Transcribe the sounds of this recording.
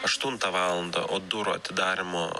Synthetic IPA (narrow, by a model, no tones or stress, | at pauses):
ɐʃt̪ʊnt̪ɐʋɑːlˠɐnd̪ɐ̰ʔoːd̪ʊɾoɐ̰t̪ʲɪd̪ɑːɾʲɪmoː